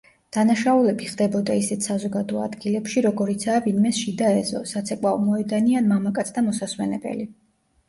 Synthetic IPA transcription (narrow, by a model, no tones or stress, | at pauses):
d̪̥anaʃaulɛbiχd̪ɛbɔd̪aisɛt̪ʰsazɔɡad̪ɔa̰d̪ɡilɛpʃiɾɔɡɔɾit̪sʰaːvinmɛsʃid̪aɛzɔ̰sat̪sʰɛkʼwavmɔɛd̪anianmamakʼat̪sʰd̪amɔsasmɛnɛbɛ̰li